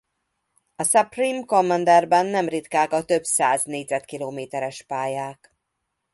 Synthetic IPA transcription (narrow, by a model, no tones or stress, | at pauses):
ɒsɛprimkomːɛnd̪ɛrbɛnːɛmrit̪kaːkɒt̪ø̞bsaːzneːɟzɛt̪kiloːmeːt̪ɛɾɛʃpaːjaːk